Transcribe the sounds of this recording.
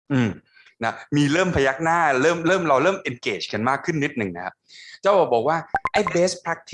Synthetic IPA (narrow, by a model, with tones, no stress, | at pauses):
ʔɯː˨˩m | na˦˥miː˧ɾɤː˥˩mpʰa˧ja˦˥k̚naː˥˩ɾɤː˥˩mɾɤː˥˩mɾa˧wɾɤː˥˩mʔe˧nkeː˨˩t͡ɕʰka˧nmaː˥˩kʰɯ˥˩nːi˦˥t̪̚nɯ˨˩ŋna˦˥kʰa˦˥p̚t͡ɕaː˥˩wbɔː˨˩bɔː˨˩k̚waː˥˩ʔa˥˩jbeː˦˥st̪̚pʰɾa˦˥k̚t̪ʰ